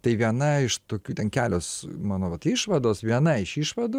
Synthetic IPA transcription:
t̪ɐɪʋʲiɛnɐɪʃt̪oːkʲuːt̪ʲɛnkʲæːlʲoːsmɑːnoːʋɐt̪iːʃʋɐd̪oːsʋʲiɛnɐɪʃiːʃʋɐd̪u

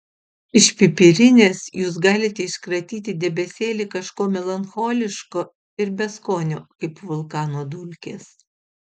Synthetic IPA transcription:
ɪʃʲpʲɪpʲɪɾʲɪnʲeːsjuːsɡɑːlʲɪt̪ʲɛɪʃkɾɐt̪ʲiːt̪ʲɪd̪ʲɛbʲɛsʲeːlʲiːkɐʃkoːmʲɛlˠɐnxoːlʲɪʃkoː | ɪɾbʲɛskoːnʲoːkɐɪpʋʊlˠkɑːnoːd̪ʊlʲkʲḛːs

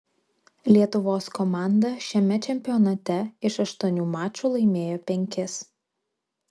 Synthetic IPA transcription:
lʲiɛt̪ʊʋoːskɔmɑːˑnd̪ɐʃʲɛmʲɛt͡ʃʲɛmʲpʲɪjɔnɐt̪ʲɛɪʃɐʃt̪uɔnʲuːmɑːt͡ʃʲuːlˠɐɪmʲeːjoːpʲɛŋʲkʲɪs

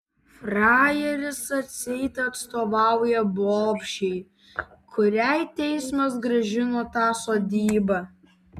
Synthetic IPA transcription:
fɾɑːjɛɾʲɪsɐt̪ʲsʲɛɪt̪ʲɛɐt̪st̪oːʋɑˑʊjɛboːpʲʃʲɛɪ | kʰʊɾʲæɪt̪ʲɛɪsmɐs̬ɡɾɐʒʲɪnoːt̪ɑːsoːd̪ʲiːbɐ

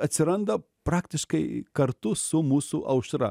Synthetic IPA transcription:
ɐt̪ʲsʲɪɾɐnd̪ɐ | pɾɑːkt̪ʲɪʃkɐɪkɐɾt̪ʊsʊmuːsuʔɐʊʃɾɐ̰

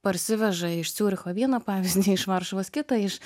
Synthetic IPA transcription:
pɐɾʲsʲɪʋʲɛʒɐɪʃsʲuːɾʲɪxoːʋʲiɛnɐpɑːʋʲɪzʲd̪ʲiːɪʃʋɐɾʃʊʋoskʲɪt̪ɐɪʃ

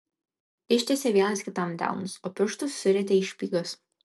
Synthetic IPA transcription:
ɪʃʲt̪ʲɛsʲɛʋʲiɛnɐsʲkʲɪt̪ɐmd̪ʲæ̰ʊnʊsoːpʲɪʃt̪ʊsːʲʊɾʲɛt̪ʲɛɪʃʲpʲiːɡɐs

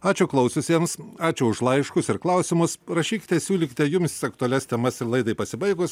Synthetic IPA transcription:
ɑːt͡ʃʲʊklˠɐʊsʲʊsʲiɛmsɑːt͡ʃʲʊʊʃlˠɐɪʃkʊsɪɾklˠɐʊsʲɪmʊsɾɐʃʲiːkʲɪ̥t̪ʲɛsʲuːlʲɪkʲɪ̥t̪ʲɛjʊmsɐk̚t̪ʊɐlʲɛsʲt̪ʲɛmɐsɪɾlˠɐɪd̪ɐɪpɐsʲɪbɐɪɡʊs

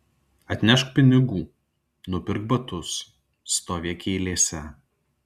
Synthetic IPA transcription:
ɐt̪ʲnʲɛʃkpʲɪnʲɪɡuː | nʊpʲɪɾɡ̚bɐt̪ʊsː | t̪oːʋʲeɛkʲeːɪlʲeːsʲɛ

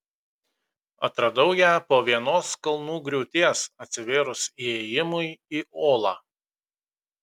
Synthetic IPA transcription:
ɐ̰t̪ɾɐd̪ɐʊjæːpoːʋʲiɛnoːskɐlˠnuːɡɾʲʊʊt̪ʲeːsɐt̪ʲsʲɪʋʲeːɾʊsiɛːjɪmʊɪiːʔoːlˠɑː

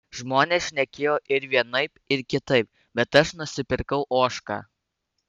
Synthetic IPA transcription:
ʒmoːnʲeːsʃʲnʲɛkʲeːjoːʔɪɾʋʲiɛnɐɪpɪɾkʲɪt̪ɐɪp̚ | bʲɛt̪ɐʃnʊsʲɪpʲɪɾkɐʊʔoːʃkɑ̰ː

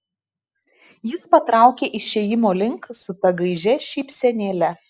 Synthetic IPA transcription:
jɪspɐt̪ɾɑˑʊkʲeːʔɪʃʲɛjɪmoːlʲɪŋksʊt̪ʲɐɡɐɪʒʲɛʃʲɛɪpʲsʲɛnʲeːlʲɛ

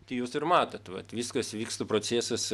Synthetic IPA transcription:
t̪ʲɐjuːsɪrmɑːt̪ɐt̪ʋɐ̰t̪ʋʲiːskɐsʋʲiːkst̪opɾoːsʲæːsɐs

